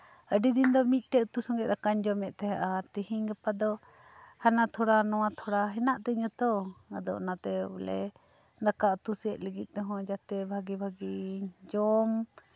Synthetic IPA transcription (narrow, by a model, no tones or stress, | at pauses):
əɖid̪ind̪ɔmit̪̚ˀʈɛʔt̪usɔŋɡɛʔd̪akaɲd͡ʒɔmɛʔ̚t̪ɛɦɛ̃ʔat̪ihiŋɡəpad̪ɔ | hanat̪ʰɔɽanɔwat̪ʰɔɽaɦɛnaʔt̪ɛɲɔt̪ɔad̪ɔ̰ʔnat̪ɛulɛ̰ | d̪akaʔt̪usɛʔ̪̚ləɡit̪̚ˀt̪ɔɦɔ̃d͡ʒat̪ɛbʱaɡibʱaɡid͡ʒɔm